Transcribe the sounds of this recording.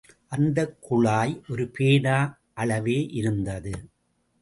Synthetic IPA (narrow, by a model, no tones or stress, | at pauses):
ʔɐnd̪ɐkːʊɭaːjʔɔɾɯpʰeːɽaː | ʔɐɭɐʋeːʔɪɾɯnd̪ɐðɯ